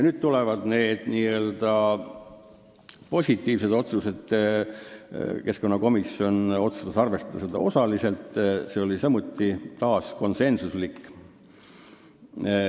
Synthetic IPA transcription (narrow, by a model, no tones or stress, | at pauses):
jɑnyːd̪̥̚t̪ulevɑd̪̥ne̞ːd̪̥niːø̞ːld̪̥ɑ | po̞sʲit̪ːˑiːvse̞d̪̥o̞t̪suse̞d̪̥ | ke̞sko̞nːɑko̞misːjo̞no̞t̪sust̪ɑsɑrve̞st̪ɑd̪ɑsed̪̥ɑ̰o̞sɑlise̞lt̪ˑse̞o̞lisɑmut̪ːit̪ɑːsko̞nse̞nsuslikːˑ